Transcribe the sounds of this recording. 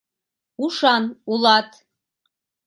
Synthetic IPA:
uʃɑnulˠɑt̪

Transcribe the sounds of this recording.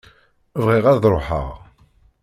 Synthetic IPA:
vʁiʁaɾðɾˤoħə̰ʁ

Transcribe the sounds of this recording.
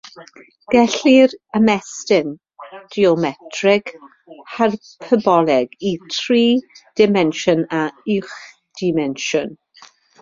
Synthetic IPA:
ɡ̥ɛɬirəmɛstɪn | d̥iɔmɛtʰrɪɡ̥ | har | pʰəbɔlˠɛɡitʰriːd̥ɪmɛnʃɔnaɪχ | d̥ɪmɛnʃɔn

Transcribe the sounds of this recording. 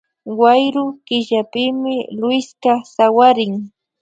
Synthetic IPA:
wajɾʊkɪʒapɪmɪlwɪjskasawaɾɪŋ

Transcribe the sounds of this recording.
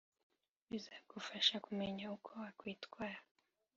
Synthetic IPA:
wizakufaʃakumɛɲaukʰɔwakwitkwaa

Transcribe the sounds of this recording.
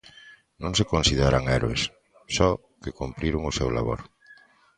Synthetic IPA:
nõŋsekõnsiðeɾaŋɛɾoes | sɔ | kekumpɾiɾʊŋʊsɛwla̰βo̰ɾ

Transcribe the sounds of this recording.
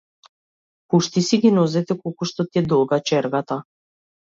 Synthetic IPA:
puʃt̪isiɡʲinɔzɛt̪ɛkɔlˠkuʃt̪ɔt̪iɛd̪ɔlˠɡat͡ʃɛɾɡat̪a

